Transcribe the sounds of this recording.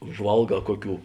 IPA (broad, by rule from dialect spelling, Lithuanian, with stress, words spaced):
ʊʒˈʋɐlˠˌɡɑː ˈkoːˌkʲuː